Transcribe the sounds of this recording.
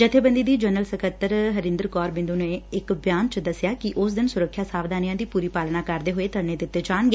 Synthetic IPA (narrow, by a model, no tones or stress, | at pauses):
d͡ʒɪt̪ʰːeːbə̃nd̪iːd̪iːd͡ʒənəlsəkət̪ːəɾɦəɾɪ̃nd̪əɾkɔːɾbɪ̃nd̪uːneːɪkbjaːnt͡ʃd̪əsjaːkɪʔʊs̬d̪ɪnsʊɾəkʰːjaːsaːʋd̪aːnɪjãːd̪iːpuːɾiːpaːlnãːkəɾd̪eːɦoeːt̪əɾneːd̪ɪt̪ːeːt͡ʃaːnɡeː